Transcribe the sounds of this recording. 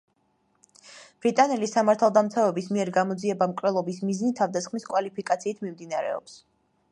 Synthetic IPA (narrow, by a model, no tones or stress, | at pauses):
b̥ɾit̪ʼanɛlisamaɾt̪ʰalˠd̪amt̪sʰavɛbismiɛɾɡamɔd̪ziɛbamkʼɾɛlˠɔbismiznit̪ʰavd̪asχmiskʼwalipʰikʼat̪sʰiːt̪ʰmimd̪inaɾɛ̰ɔ̰ps